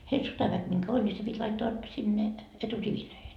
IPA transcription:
heil sotɑʋæk miŋkæ ol ni se pitʲ lɑitːoɑ sinːe eturiʋiløihen

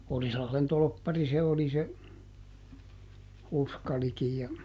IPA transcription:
orislɑhlen tolpːɑri se oli se uskɑlikij jɑ

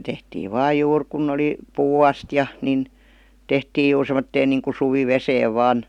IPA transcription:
tehtiː ʋɑː juːr kunː oli puːɑstjɑ nin tehtiːj̆ juːr semˑotːeːn niːŋku suʋiʋeseːʋ ʋɑːn

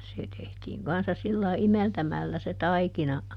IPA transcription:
se tehtiːŋ kɑnsːɑ silːɑi imeltæmælːæ se tɑikinɑ

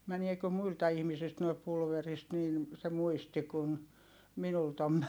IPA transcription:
mæniekø muiltɑ ihmisilt noi pulʋerist nin se muisti kun minult om

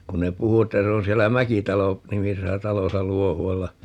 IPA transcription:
kun ne puhu etːæ se on sielːæ mækitɑlo nimisesæ tɑlosɑ luohuɑlːɑ

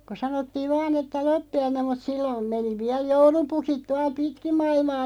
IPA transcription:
ko sɑnotːiːʋ ʋɑːn etːæ lopːiɑinem mut silːom meni ʋiæl joulupukit tuɑl pitkim mɑilmɑː

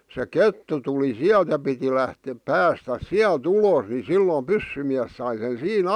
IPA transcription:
se ketːu tuli siælt jɑ piti læhte pæːstæs siælt uloˑs ni silːo pysːymiæs sɑi sen̞ siːn

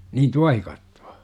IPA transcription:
niːn tuɑhikɑtːu̥ɑ̥

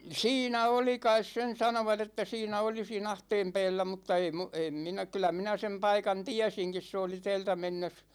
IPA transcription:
siːnæ oli kɑis sen sɑnoʋɑt etːæ siːnæ oli siːn ɑhteːm pɛːlːæ mutːɑ ei mu em minæ kylæ minæ sem pɑikɑn tiæsiŋkis se oli tɛːltæ menːes

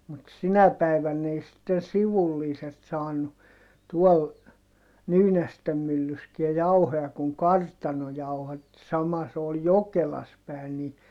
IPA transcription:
mut sinæ pæi̯ʋænː ei sitːen siʋulːiːset sɑːnu tuɔl nyːnæstem mylːyskiæ jɑuhojɑ kuŋ kɑrtɑno jɑuhɑtːi sɑmɑ se ol jokelɑs pæˑin ni

